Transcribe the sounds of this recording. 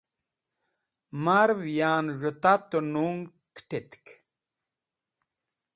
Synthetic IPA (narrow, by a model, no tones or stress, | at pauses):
maɾvjaːnʐut̪at̪unuŋ | kʈit̪k